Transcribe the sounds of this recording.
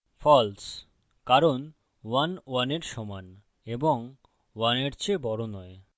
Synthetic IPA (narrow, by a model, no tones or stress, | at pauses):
fʰɔls | kaɾon | wanwaneɾʃɔman | eboŋ | waneɾt͡ɕʰebɔɾonɔe